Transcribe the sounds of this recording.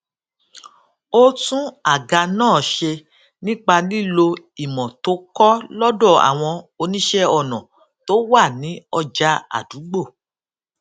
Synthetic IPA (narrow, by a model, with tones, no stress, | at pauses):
o˦tũ˦a˦˨ɡa˧nãː˦˨ʃe˧ | nĩ˦k͡pa˧li˦˨lo˧ | i˨mɔ̃˨to˨˦kɔ˦lɔ˦dɔ˦˨a̰˨w̃ɔ̃˧o˧nĩ˦ʃɛ˦ɔ˦˨nɔ̃˨ | to˨˦wa˦˨nĩ˨˦ɔ˧d͡ʒa˧˦a̰˨du˨˦ɡ͡bo˦˨